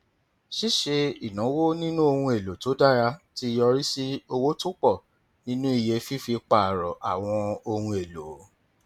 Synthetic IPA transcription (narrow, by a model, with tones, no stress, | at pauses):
ʃi˦ʃe˧i˨nã˨˦wo˦nĩ˦nũ˦o˧hũ˧e˨lo˨to˨˦da˦˨ɾa˧ti˦˧jɔ˧ɾi˦si˦o˧wo˦tu˦k͡pɔ˦˨ | nĩ˦nũ˦i˦˨je˧fi˦fi˧k͡pa˨ɾɔ˨ʔa˨w̃ɔ̃˧o˧hũ˧e˨lo˨